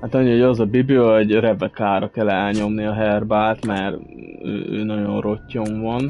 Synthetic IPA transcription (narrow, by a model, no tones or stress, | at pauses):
hat̪ɒɲːiho̞ɟɒzɒbibliɒoɟrɛvɛkaːɾɒkɛlːɛlɲo̞mniɒɦɛrbaːlt̪mɛɾ | ø̰ːʔø̰ːnɒɟo̞nro̞cːo̞ɱvɒn